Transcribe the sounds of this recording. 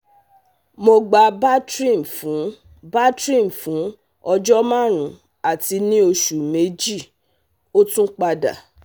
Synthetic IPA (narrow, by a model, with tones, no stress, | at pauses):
mo˧ɡ͡ba˧ba˦tɾi˦˨m̩˨fũ˨˦ | ba˦tɾi˦˨m̩˨fũ˨˦ | ɔ˧d͡ʒɔ˦mã˦˨ɾ̃ũ˨˦ | a˨ti˧˦nĩ˦o˧ʃu˨me˨˦d͡ʒi˦˨ | o˦tũ˦k͡pa˧da̰˨